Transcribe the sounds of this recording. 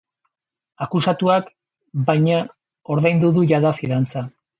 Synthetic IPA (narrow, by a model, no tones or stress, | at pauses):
akusat̪uak | bajɲa | o̞ɾðajnd̪uðuʝaðafiðant͡sa